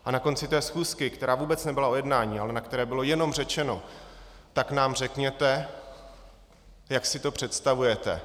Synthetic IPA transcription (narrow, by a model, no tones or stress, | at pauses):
ʔanako̞nt͡sɪt̪ɛːsxuːskɪkt̪ɛɾaːvuːbɛt͡snɛbɪlao̞jɛdnaːɲiːalɛnakt̪ɛɾɛːbɪlo̞jɛno̞mr̝ɛt͡ʃɛno̞̰t̪aknaːmr̝ɛkɲɛt̪ɛ | jaksɪt̪o̞pr̝̥ɛt̪st̪avujɛt̪ɛ̰